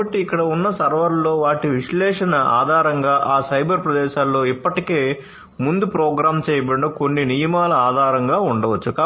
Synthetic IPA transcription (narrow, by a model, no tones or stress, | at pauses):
ɐʈːiːkːɐɽɐunːɐsɐɾʋɐɾlo̞ːʋaːʈiʋiʂlɛːʂɐnɐa̰ːd̪ʱaːɾɐŋɡaːʔaːsɐjbɐɾpɾɐd̪ɛːʃaːlːo̞ːipːɐʈike̞ː | mund̪upɾɔːɡɾaːmt͡ʃɛːjɐbeɳokonːinijɐmaːlɐaːd̪ʱaːɾɐŋɡaːuɳɖɐʋɐt͡ʃːukaː